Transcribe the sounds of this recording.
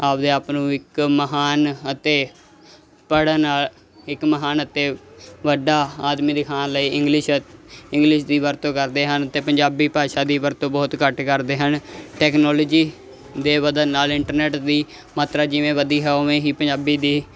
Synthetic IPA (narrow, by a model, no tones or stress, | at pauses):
aːpd̪eːaːpnũːɪkməɦaːnət̪eː | pəɽəːnaːl | ɪkməɦaːnət̪eːʋəɖaːaːd̪miːd̪ɪkʰãːnləiːɪŋɡlɪʃɪ̃ŋɡlɪʃd̪iːʋəɾt̪õːkəɾd̪eːɦənət̪eːpəɲd͡ʒaːbiːpaːʃaːd̪iːʋəɾt̪õːbɔːt̪kəʈkəɾd̪eːɦənʈɛːknɔːloːd͡ʒiː | d̪eːʋəd̪ənːaːlɪɳʈəɾnɛːʈd̪iː | maːt̪ɾaːd͡ʒɪʋẽːʋəd̪iːɦɛːoʋẽːɦiːpəɲd͡ʒaːbiːd̪iː